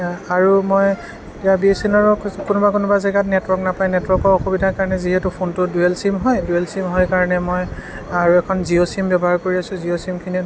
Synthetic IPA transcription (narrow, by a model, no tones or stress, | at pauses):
aɹumɔj | tijabiesinɔɹɔkunʊbakunʊbazɛɡatnɛtwɔknapajnɛtwɔɹkɔɹɔxubidʱakaɹɔnɛziɦɛtupʰontʊduelsimɦɔjduelsimɦɔjkaɹɔnɛmɔj | aɹuɛkʰɔnziosimbjɔbɔɦaɹkoɹiasʊ̃ziosimkʰini